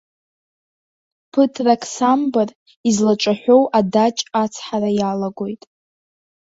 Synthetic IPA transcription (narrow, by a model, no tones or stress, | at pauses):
pʰɨtʰrakʰsambɨr | izlaʈ͡ʂʷʼaħʷᶣo̞wʔadat͡ʃʼat͡sʰħaɾajalaɡʷo̞jtʼ